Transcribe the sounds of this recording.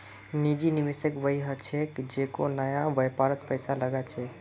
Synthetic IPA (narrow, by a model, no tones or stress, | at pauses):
nid͡ʒiniʋesekbəiɦət͡ʃʰɛkd͡ʒekonəjabəjpaɾət̪pəjsaləɡat͡ʃʰɛ